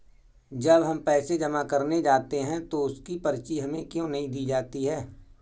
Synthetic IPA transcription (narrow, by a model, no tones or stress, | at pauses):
d͡ʒɐbɦɐmpɛːsed͡ʒɐmakɐɾned͡ʒaːt̪eɦɛ̃t̪oʊskipɐɾt͡ʃiɦɐmẽkjõnɐɦĩd̪iːd͡ʒaːt̪iɦɛː